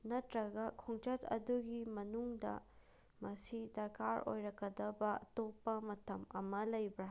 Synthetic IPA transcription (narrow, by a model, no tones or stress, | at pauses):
nɐtɾɐɡɐkʰoŋt͡ʃɐtɐ̰duɡimɐnuŋdɐ̰ | mɐsidɐɾkaɾo̰jɾɐkːɐdɐbɐtopːɐmɐtʰɐmɐ̰mɐlɐjbɾɐ